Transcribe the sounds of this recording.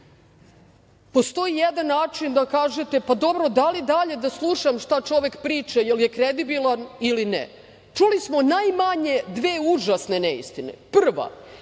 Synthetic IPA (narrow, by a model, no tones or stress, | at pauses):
post̪o̞ijed̪anːaːt͡ʃind̪akaːʒet̪epad̪o̞bɾo̞d̪alid̪aʎe̞d̪aslˠuʃamʃt̪at͡ʃo̞ʋe̞kpɾiːt͡ʃajeljekɾed̪ibilˠanilinḛ | t͡ʃulismo̞najmaɲe̞d̪ʋeːuʒasne̞neḭst̪inḛpr̩ʋa̰